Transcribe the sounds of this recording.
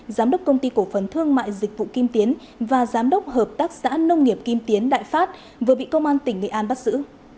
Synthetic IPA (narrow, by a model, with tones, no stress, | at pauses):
zaː˨˦mɗə˦˥k͡p̚kə˧wŋ͡mt̪i˧ko˧˩fə˨˩nt̪ʰɨ˧əŋma̰ː˧˨jzï˨˩k̟̚vṵ˧˨ki˧mt̪i˨˦ən | vaː˨˩zaː˨˦mɗə˦˥wk͡p̚həː˨˩p̚t̪aː˦˥k̚sa̰ː˧˥nə˧wŋ͡mŋi˨˩əp̚ki˧mt̪i˨˦ənɗa̰ː˧˨jfaː˦˥t̚ | vɨ˨˩ɓḭ˧˨kə˧wŋ͡mʔaː˧nt̪ï˧˩ŋŋɨ̰˨˩jʔaː˧nɓa˦˥k̚zɨ̰˧˥